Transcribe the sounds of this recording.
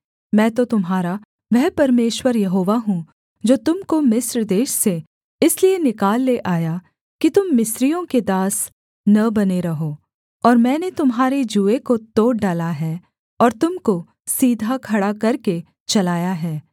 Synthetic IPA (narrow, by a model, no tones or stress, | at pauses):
mɛ̃ːt̪ot̪ʊmɦaːɾa | ʋɛɦpɐɾmeːʃwəɾjɐɦoːʋaɦũ | d͡ʒoːt̪ʊmkomɪsɾd̪eːʃse | ɪslienɪkaːlːeʔaːja | kit̪ʊmːɪsɾijõked̪aːs | nɐbɐneɾɐɦoː | ɔːɾmɛ̃ːnet̪ʊmɦaːɾed͡ʒuːekot̪oːʈɖaːlaɦɛː | ɔːɾt̪ʊmko | siːd̪ʱakʰɐɽakɐɾke | t͡ʃɐlaːjaɦɛː